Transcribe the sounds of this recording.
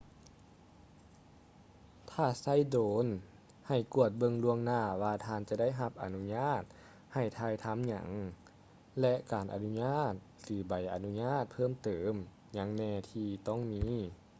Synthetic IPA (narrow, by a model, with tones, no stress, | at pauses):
t̪ʰaː˧˩sa˧˩˨jdoː˨˦n | ha˨˩jku˧˩ət̪̚bɤ˧ŋlu˧əŋnaː˧˩waː˧t̪ʰaː˧˨nt͡ɕa˧da˥˩˨jɦa˧˦p̚ʔa̰˨˩nu˧˥ɲaː˧˥˩t̪̚ | ha˨˩jt̪ʰaː˧˩jt̪ʰa˧˥˨mɲa̰˧˩˦ŋ | lɛ˧ʔkaː˨˩nʔa̰˨nu˧˥ɲaː˧˥˨t̪̚sɯː˨˩ba˨˩jʔa˨˩nu˧˥ɲaː˧˥˨t̪̚pʰɤː˧˥˨mt̪ɤː˨˦m | ɲa˧˩ŋnɛː˧˩t̪ʰiː˧˩t̪ɔ˥˩ŋmiː˧˥